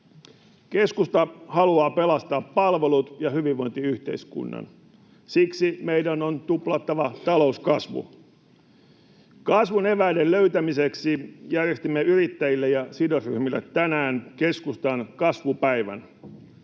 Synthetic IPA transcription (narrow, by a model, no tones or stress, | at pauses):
ke̞skust̪ɑhɑluɑːpe̞lɑst̪ɑːpːɑlʋe̞lut̪jɑhyʋiʋːo̞jnt̪iyht̪e̞̰iskṵnːɑ̰n | siksimeidænont̪uplɑt̪ːɑʋɑt̪ɑlo̞uskɑsʋṵ | kɑsʋune̞ʋæidelløyt̪æmiseksijærjest̪imːeyɾit̪ːæjilːejɑsidosryhmilːet̪ːænæːnke̞skust̪ɑnkɑsʋupæiʋæ̰n